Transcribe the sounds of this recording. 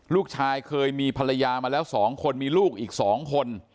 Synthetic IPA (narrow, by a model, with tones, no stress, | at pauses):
luː˥˩k̚t͡ɕʰaː˧jkʰɤː˧jmiː˧pʰa˧la˧jaː˧maː˧lɛː˦˥wsɔː˩˦ŋkʰo˧nmiː˧luː˥˩k̚ʔiː˨˩k̚sɔː˩˦ŋkʰo˧n